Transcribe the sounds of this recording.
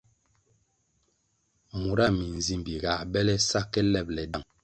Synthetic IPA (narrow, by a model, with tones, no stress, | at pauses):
mu˨ɾa˦mi˨n˨zi˦˨mbi˨ɡa˨bɛ˦lɛ˦sa˦kːɛ˦lɛ˦˨p̚lɛ˨da˦˨ŋ